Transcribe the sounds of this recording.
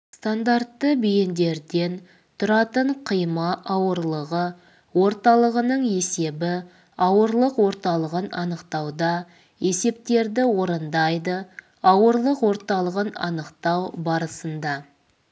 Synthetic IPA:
st̪and̪aɾt̪ːəbejɪnd̪e̞ɾd̪e̞n | t̪ʰʊɾɑt̪əɴqʰəjmɑʔɑwəɾlˠəʁə | wo̞ɾt̪ɑlˠəʁənəɴe̞se̞bɪ | ɑwəɾlˠəqwo̞ɾt̪ɑlˠəʁənɑnəqt̪ɑwd̪ɑ | e̞se̞p̚t̪e̞ɾd̪ɪwo̞ɾənd̪ɑjd̪ə | ɑwəɾlˠəqwo̞ɾt̪ɑlˠəʁənɑ̰nəqt̪ɑwbɑɾəsənd̪ɑ

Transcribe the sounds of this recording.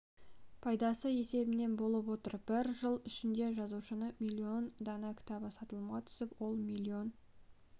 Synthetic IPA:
pʰɑjd̪ɑsəje̞se̞bɪne̞nbo̞lˠəpwo̞t̪əɾb̥ɪɾʒəlˠɪʃɪnd̪e̞ʒɑzuʃənəmʲilʲːio̞nd̪ɑnɑkʲʰɪ̥t̪ɑbəsɑt̪əlˠmɑt̪ʰʏ̥sɪpwo̞lˠmʲilʲːio̞n

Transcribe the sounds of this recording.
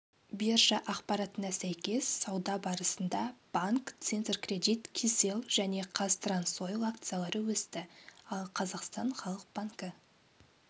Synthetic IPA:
berʒɑʔɑqpɑɾɑt̪ənɑsæjkʲe̞sːɑwd̪ɑbɑɾəsənd̪ɑb̥aŋkt̪sent̪rkrʲe̞d̪ʲit̪kʲʰise̞lˠʒ̥æne̞qʰɑst̪ransojlˠakt̪sɨjalˠɑɾəwɵst̪ɪɑlˠqʰɑzɑqst̪ɑɴχɑlˠəq̚b̥aŋkə

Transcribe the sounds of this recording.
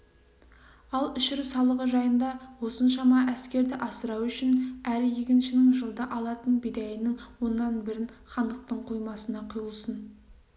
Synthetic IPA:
ɑlˠʏʃɪɾɪsɑlˠəʁəʒɑjənd̪ɑwo̞sənʃɑmɑʔæskʲe̞ɾd̪ɪʔɑsəɾɑwʏʃɪnæɾɪje̞kʲɪnʃɪnɪŋʒəlˠd̪əʔɑlˠɑt̪ənbed̪æjɪnɪŋwo̞nːɑnbɪɾɪnχɑnd̪əq̚t̪əɴqʰojmɑsənɑqʰʊjəlˠsən

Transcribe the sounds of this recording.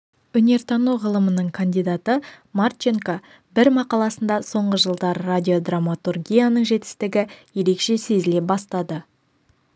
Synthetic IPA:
ɵne̞ɾt̪ʰɑnuʁəlˠəmənəɴkʰand̪ijd̪at̪əmart͡ʃeŋka | bɪɾmɑqɑlˠɑsənd̪ɑso̞ɴʁəʒəlˠd̪ɑɾradʲio̞d̪ramːat̪urɡʲijanəɴʒe̞t̪ɪ̥st̪ɪɡʲɪje̞ɾe̞kʃe̞se̞zɪle̞p̚bɑst̪ɑd̪ə

